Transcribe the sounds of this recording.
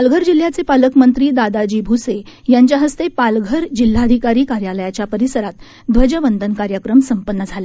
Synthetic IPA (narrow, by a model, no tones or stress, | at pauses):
palɡʱəɾd͡ʑil̤jat͡sepaləkmənt̪ɾiːd̪ad̪ad͡ʑiːbʱusejaɲt͡ɕjaɦəst̪epalɡʱəɾd͡ʑil̤ːad̪ʱikaɾiːkaɾjaləjat͡ɕjapəɾisəɾat̪ | d̪ʋəd͡ʑəʋənd̪ənkaɾjəkɾəmsəmpənːəd͡zʱala